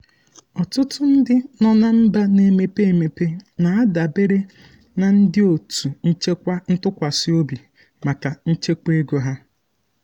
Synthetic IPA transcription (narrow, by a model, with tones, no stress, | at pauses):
ɔ˨tʊ˦tʊ˦n̩˦dɪ˦nɔ˦na˦m̩˦ba˦ne˨me˨pe˦e˨me˨pe˦na˨a˦da˨be˦ɾe˦ | na˨n̩˦dɪ˦o˨tu˨n̩˦t͡ʃe˦kʷa˦n̩˦tʊ˦kʷa˨sɪ˦o˦bi˨ | ma˨ka˨n̩˦t͡ʃe˦ke˦ɡo˨ɦa˦